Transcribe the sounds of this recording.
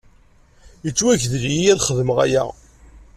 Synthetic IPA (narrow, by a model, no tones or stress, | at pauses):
jət͡sːwæçðljijæðχəðməʁæ̰jæ̰